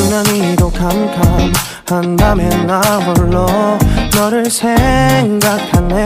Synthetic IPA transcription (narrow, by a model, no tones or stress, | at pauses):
naniɾokamkʰam | handamenːabʌɭːʌnʌɾɯɭsʰeŋɡakʰane